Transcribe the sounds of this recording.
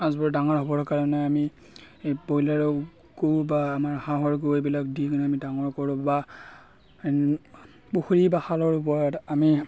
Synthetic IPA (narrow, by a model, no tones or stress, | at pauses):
azbɔɹdaŋɔɹɦɔbɔɹkaɹɔnɛami | bojlaɹɔ | ɡowbaːmaɹhãɦɔɹɡoebilakdikɔnamidaŋɔɹkɔɹʊ̃ba | puxuɹibaxalɔɹup̬ɔɹɔtami